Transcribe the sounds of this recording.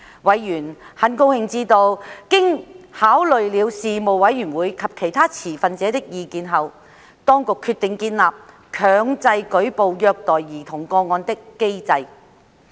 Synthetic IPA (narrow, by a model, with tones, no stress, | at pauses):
wɐ˨˧jːyː˨˩nhɐ˨˥nko˧whɪ˨˧ŋt͡siː˧t̪o˧wkɪ˥ŋhaː˨˥wlɵ˨ɥliː˨˧wsiː˨mo˨wwɐ˨˧˥jːyː˨˩nwuː˨˧jkʰɐ˨p̚kʰe˨˩jt̪ʰaː˥t͡sʰiː˨˩fɐ˨nt͡sɛː˨˧˥t̪ɪ˥k̚jiː˨˧kiː˨˧nɦɐ˨w | t̪ɔː˥ŋkʊ˨kʰːyː˧t̪ːɪ˨ŋkiː˧nlaː˨p̚ | kʰœː˨˧ŋt͡sɐ˧jkɵ˨˥ɥpo˨˧wjœː˧k̚t̪ɔː˨˩jːiː˨˩t̪ʰʊ˨˩ŋkɔː˧ŋɔː˧nt̪ɪ˥kːe˥jt͡sɐ˧j